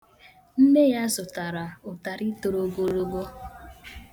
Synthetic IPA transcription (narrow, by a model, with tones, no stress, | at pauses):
m̩˦me˦ja˦zʊ˨ta˨ɾa˨ʊ˨ta˨ɾi˦to˨ɾo˨ɡo˨ɾo˦ɡo˦